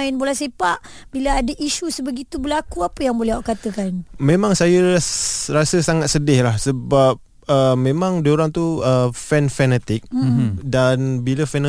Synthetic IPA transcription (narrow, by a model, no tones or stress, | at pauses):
ɪnbolahsepaʔbilaadaʔiʃusəbəɡit̪ubəlakuapəjaŋbolɛhaʔkat̪əkanmẽmãŋsajə | rasəsaŋat̪̚sədɪhlahsəbap̚ | əmẽmãŋdioɾaŋt̪uəfɛnfɛnɛt̪ɪk̚danbiləfɛn